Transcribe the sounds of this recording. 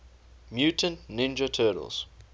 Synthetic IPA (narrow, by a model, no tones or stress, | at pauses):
mjuːtə̃nnɪ̃nd͡ʒətʰɜːɾə̰lˠz̥